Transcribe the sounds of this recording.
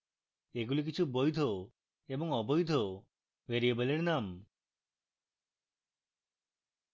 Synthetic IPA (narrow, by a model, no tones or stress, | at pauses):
eɡulik̬it͡ʃʰubojd̪ʱo | ebɔŋɔbɔjd̪ʱo | ʋeɾiebɔleɽnam